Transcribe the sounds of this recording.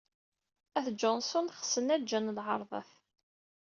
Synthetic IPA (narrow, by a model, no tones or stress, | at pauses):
æθd͡ʒɔnsʊnχə̥sənæd͡ʒænlʁɑɾˤðˤə̰θ